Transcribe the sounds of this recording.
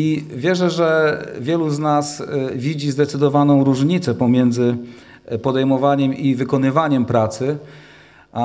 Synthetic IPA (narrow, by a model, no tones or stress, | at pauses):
ivʲjɛʐɛʐɛvʲjɛluznasvʲid͡ʑizd̪ɛt̪sɘd̪ɔvanɔ̃w̃ɾuʐɲit̪sɛpɔmʲjɛnd̪zɘ | pɔd̪ɛjmɔvaɲɛmivɘkɔnɘvaɲɛmpɾat̪sɘ